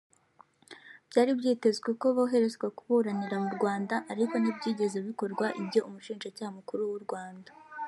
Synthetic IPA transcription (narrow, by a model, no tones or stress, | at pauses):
b̥ɟaːɾibɟiːte̞zɡeko̞βoɦe̞ɾe̞zɡwakuβuːɾaniɾamuɾɡwaːndaʔːɾiko̞nibɟiːɟe̞ze̞βiko̞ɾɡwaʔibjo̞ʔumuʃiːnʒacaːhamukuɾuwuɾɡwaːnda